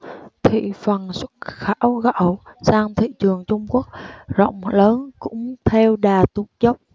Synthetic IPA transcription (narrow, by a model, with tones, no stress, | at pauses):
t̪ʰḭ˧˨fə˨˩nswə̥˦˥t̚xaː˧˥wɣa̰˧˨˥wsaː˧ŋt̪ʰḭ˧˨t͡ɕɨ˨˩əŋt͡ɕʊ˧ŋ͡mku˦˥ək̚zo̰˧˨wŋ͡mləː˨˦nkʊ̰˧˥ŋ͡mt̪ʰɛ˧wɗaː˨˩t̪u˨˦ŋzə˦˥p̚